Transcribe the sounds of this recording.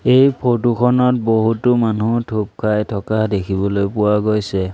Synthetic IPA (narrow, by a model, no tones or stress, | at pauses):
ejpʰotukʰɔnɔt̚boɦutʊmanutʰup̚kʰajtʰɔkadekʰibɔlojpʊwaɡojsɛ